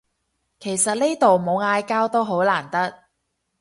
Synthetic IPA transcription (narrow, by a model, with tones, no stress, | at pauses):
kʰe˨˩jsɐ˨t̚ne˥t̪o˨wmo˨˧wŋaː˧jkaː˥wt̪o˥wɦo˨˥wlaː˨˩nt̪ɐ˥k̚